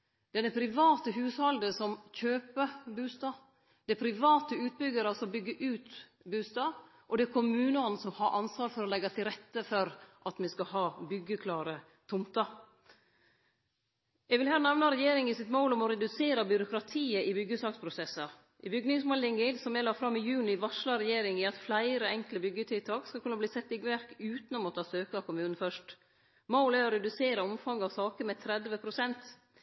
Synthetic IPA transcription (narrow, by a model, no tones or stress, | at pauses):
d̪̥ɛnːəpʰɾɪʋɑːt̪əɦʉːshɑld̪əsɔmçøːpəbʉːst̪ɑː | d̪̥ɛpʰɾɪʋɑːt̪əʉːt̪̚bʏɡəɾəsɔmbʏɡːəʔʉːt̪ | bʉːst̪ɑː | ʔɔd̪ɛæɾkʰʊmʉːnəɔn̩sɔmhɑɾʔɑnsʋɑːɾfɔɾɔlɛɡːɑt̪ʰɪlɾɛt̪ːəfɔɾʔɑt̪mɛskɑɦɑːbʏɡːəkʰlɑːɾə | t̪ʰʊmt̪ɑ | ɛɡʋɪlhæːnɑʋnɑɾɛjeːɾɪŋɪsɪt̪moʊlɔmɔɾɛd̪ʉseːɾɑbʏɾʊkɾɑt̪ʰiːəʔɪbʏɡːəsɑːkspʰɾʊsɛsːɑ | ʔɪbʏɡnɪŋsmolɪŋːəsɔmɛlɑːfɾɑmːɪjʉːnɪɪʋɑʂlɑɾɛjeːɾɪŋɪɑt̪flæɪɾəɛŋkləbʏɡːət̪ʰɪlt̪ʰɑːkskɑkʉnɑbliːsɛt̪ːɪɡʋæɾkʉːt̪nɔmoːt̪ʰɑːsøːkɑkʰʊmʉːnn̩fœʂʈ | moʊlæɾɔɾɛd̪ʉseːɾɑɔmfɑŋːɑʋsɑːkəmɛt̪ʰɾɛd̪ʋəpʰɾʊsɛnt̪